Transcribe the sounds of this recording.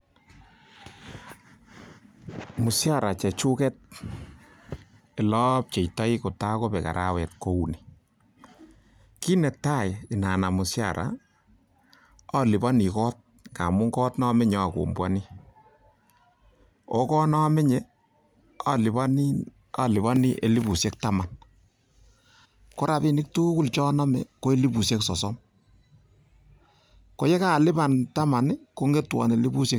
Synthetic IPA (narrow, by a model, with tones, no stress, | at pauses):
mʊ˨sja˦˨ɾa˨t͡ʃɛ˨t͡ʃu˦kɛ˦t̚ | e˨lɔ˦p̚t͡ʃe˨jtɔ˦i˦ko˨ta˦ko˦pɛ˨ka̰˨ɾʔa˦wɛ˨t̚ko˦u˨ni˨ | ki˦nɛ˨ta˦˨jɪ˨na˨na˨mu˨sja˨ɾʔa̰˨ | ɔ˦lɪ˨bɔ˦ni˨kɔ˦t̚ | ka˨mʊ˦ŋɡɔ˦tnɔ˦mɪ˦ɲɔ˦˨ko̰˨mbwa˦ni˦ | o˦kɔ˦nɔ˦mɪ˦ɲe˦ | a˦lɪ˨a˦n | a˦lɪ˨βa˦ni˦ʔe˨li˦bu˨sje˦k̚ta˦ma˨n | ko˦ɾa˨pi˦nɪ˦k̚tu˦ku˦lt͡ʃɔ˦na˦mɛ˨ko˦e˦li˦bu˨sje˦ksɔ˨sɔ˦m | ko˦jɛ˦ka˦˨lɪ˦ba˨nta˦ma˨nɪ˦ko˦ŋɡe˦twɔ̰˨ne˨li˦bu˦sje˦